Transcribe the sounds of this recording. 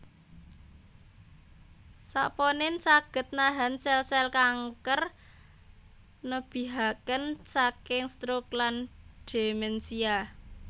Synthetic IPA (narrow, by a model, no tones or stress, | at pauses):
sa̰pɔnɪnsaɡ̥ə̤t̪̚naɦa̤nsɛlsɛlkaŋkər | nəb̥i̤ɦakənsakɪŋst̪ɾʊklanɖ̥e̤mɛnsia